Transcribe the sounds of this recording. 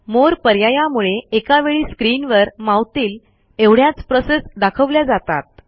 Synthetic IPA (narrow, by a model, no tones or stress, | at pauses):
moɾpəɾjajamuɭeekaʋeɭiːskɾiːnʋəɾmawt̪iːl | eʋɽ̤jat͡spɾɔsesd̪akʰəʋljad͡zat̪a̰t̪̚